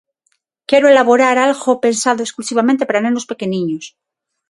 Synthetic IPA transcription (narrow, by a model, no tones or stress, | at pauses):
kjeɾoe̞laβo̞ɾaɾalɣope̞nsaðoesklusiβamẽnt̪epaɾanẽno̞spe̞ke̞nĩɲos